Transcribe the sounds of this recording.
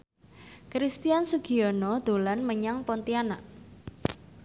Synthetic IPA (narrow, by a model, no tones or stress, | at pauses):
kɾist̪iansuɡ̥i̤ɔnɔd̪̥o̤lanməɲaŋpɔnt̪iana